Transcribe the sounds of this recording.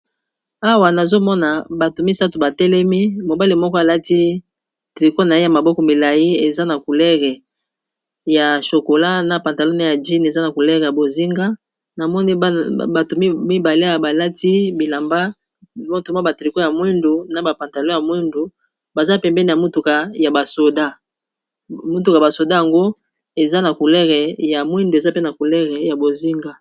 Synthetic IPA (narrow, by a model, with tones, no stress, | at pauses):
a˦wa˨na˨zo˦mɔ˦na˨ba˨to˨mi˦sa˦to˨ba˨tɛ˦lɛ˦mi˦mo˨ba˦li˨mɔ˦kɔ˦a˨la˦ti˦ | tʁi˨ko˦na˨je˦ja˨ma˨bɔ˦kɔ˨mi˨la˨ji˦e˨za˦na˨ku˨lɛ˦ʁɛ˨ | ja˨ʃo˨ko˨la˦na˨pa˨nta˨lo˦na˨ja˨d͡ʒi˦n˨e˨za˦na˨ku˨lɛ˦ʁɛ˨ja˨bo˨zi˦ŋɡa˦ | na˨mɔ˦ni˦ba˨to˨mi˦mi˦ba˨le˦a˨ba˨la˦ti˦bi˨la˨mba˦ | mo˦to˨ma˦ba˨tʁi˨ko˦ja˨mwɛ˦ndu˨na˦ba˨pa˨nta˨lo˦ja˨mwɛ˦ndu˨ | ba˨za˦˨pɛ˨mbɛ˦ni˦˨a˨mu˦tu˨ka˨ja˨ba˨so˨da˦ | mu˦t̬u˨ka˨ba˨so˨da˦ja˨ŋɡo˦ | e˨za˦na˨ku˨lɛ˦ʁɛ˨ja˨mwɛ˦ndu˨e˨za˦pe˦na˨ku˨lɛ˦ʁɛ˨ja˨bo˨zi˦ŋɡa˦